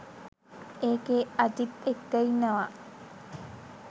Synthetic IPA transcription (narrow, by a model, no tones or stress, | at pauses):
eːɡeɐd͡ʒit̪ekːɐinɐʋaː